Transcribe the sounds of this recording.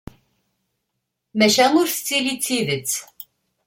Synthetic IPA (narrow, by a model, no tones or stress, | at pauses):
mɛʃamuɾst͡silit͡sʰivit͡sʰ